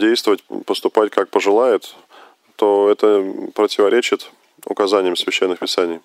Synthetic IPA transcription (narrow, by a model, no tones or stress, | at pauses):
dʲejst̪vəvətʲpəst̪ʊpat̚ʲkak̚pəʐɨlˠajɪt̪ː | oɛt̪əpɾətʲɪvɐɾʲet͡ɕɪt̪ | ʊ̰kɐzanʲɪjəmsvʲɪɕːenːɨxpʲɪsanʲɪj